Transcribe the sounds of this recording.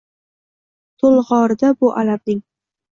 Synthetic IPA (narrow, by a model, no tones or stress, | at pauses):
t̪ʰolˠʁɒɾd̪abʊʔalabnɪŋ